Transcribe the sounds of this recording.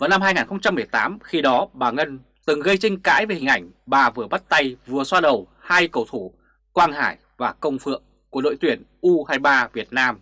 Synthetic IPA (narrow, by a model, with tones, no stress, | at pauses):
vaː˨˩wna˧mɦaː˧jŋaː˨˩nxə˧wŋ͡mt͡ɕa˧mːɨ˨˩əjt̪aː˨˦mxi˧ɗɔ˨˦ɓaː˨˩ŋə˧n | t̪ɨ˨˩ŋɣə˧jt͡ɕi˧ŋ̟ka̰ː˧˥jve˨˩hï˨˩ŋ̟ʔa˧˩jŋ̟ɓaː˨˩vɨ˨˩əɓa˦˥t̚t̪a˧jvɨ˨˩əswaː˧ɗə˨˩w | haː˧jkə˨˩wt̪ʰu˧˩ | kwaː˧nhaː˧˩j | vaː˨˩kə˧wŋ͡mfɨ̰˧˨əŋ | ku˧˩əɗo̰˧˨jt̪wi˧˩ənʔu˧haː˧jɓaː˧vi˨˩ət̚naː˧m